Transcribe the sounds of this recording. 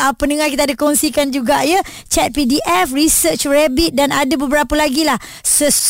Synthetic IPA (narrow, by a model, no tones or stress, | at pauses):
əpəndəŋakit̪adakɔnsikand͡ʒuɡaʔjə | t͡ʃɛt̪̚pidiʔɛfrisət͡ʃrɛbit̪̚danadabəbəɾapalaɡilah | səs